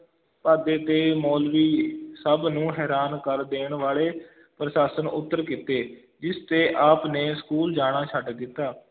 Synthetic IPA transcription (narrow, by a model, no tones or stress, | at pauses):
paːd̪eːt̪eːmoːlʋiːsəbnũːɦɛːɾaːnkəɾd̪eːɳʋaːɭeː | pɾəʃaːsənʊ̰t̪ːəɾkɪt̪eː | d͡ʒɪst̪eːʔaːpneːskuːld͡ʒaːɽ̃aːt͡ʃʰəɖd̪ɪt̪ːaː